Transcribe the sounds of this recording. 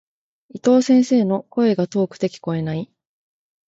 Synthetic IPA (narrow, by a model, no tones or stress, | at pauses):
it̪o̞ːsẽ̞ɰ̃se̞ːno̞ko̞e̞ɡat̪o̞ːkɯ̟̥t̪e̞kʲi̥ko̞e̞nai